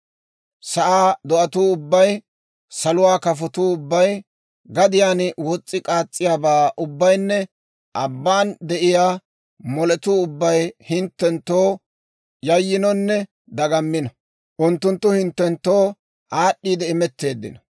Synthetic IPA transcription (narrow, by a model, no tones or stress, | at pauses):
sɐʔaːd̪ɔʔɐt̪uːʊbːɐj | sɐlʊwaːkɐfɔt̪uːʊbːɐj | ɡɐd̪ɪjaːnwɔt͡sʼːɪkʼaːt͡sʼːɪjaːbaːʔʊbːɐjnːɛ | ʔɐbːaːnd̪ɛʔɪjaː | mɔlɛt̪uːʊbːɐjhɪnt̪ːɛnt̪ːoː | jɐjːɪnɔnːɛ | d̪ɐɡɐmːɪnɐ | ʔʊnt̪ːʊnt̪ːʊhɪnt̪ːɛnt̪ːo̞ː | ʔaːɗːiːd̪ɛɪmɛt̪ːe̞ːd̪ːɪ̰nɐ